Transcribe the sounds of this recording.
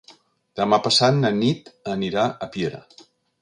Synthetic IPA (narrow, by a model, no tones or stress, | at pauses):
d̪̥əmapəsannənit̪əniɾaʔəpjeɾə̰